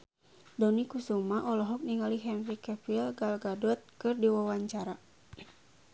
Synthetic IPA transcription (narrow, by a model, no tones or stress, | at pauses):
dɔnikusumaʔɔlɔɦɔk̚niŋaliɦɛnrikɛfilɡalɡadɔt̪̚kɨrdiwawaɲt͡ʃaɾa